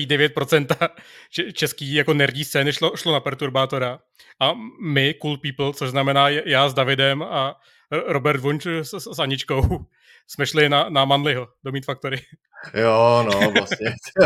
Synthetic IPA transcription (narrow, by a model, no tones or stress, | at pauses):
iːdɛvjɛt̪̚pɾo̞t͡sɛnt̪at͡ʃɛt͡ʃɛskiːjako̞nɛɾɟiːstt͡sɛnɪʃoʃlonapɛɾt̪uɾbaːt̪oɾa | ʔamɪkulpiːpl̩t͡soʒznamɛnaːjjaːzdavɪdɛma | ɾobɛɾt̪vuɲt͡ʃssaɲɪt͡ʃko̞w | smɛʃlɪnanamanlɪɦodomiːt̪fak̚t̪oɾɪ | jonoasɲɛ